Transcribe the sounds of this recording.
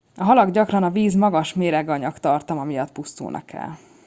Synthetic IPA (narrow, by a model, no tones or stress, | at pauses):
ɒɦɒlɒɡɟɒkrɒnɒviːzmɒɡɒʃmeːɾɛɡɒɲɒkt̪ɒrt̪ɒmɒmijɒt̪pust̪ṵːnʔɒ̰kɛ̰l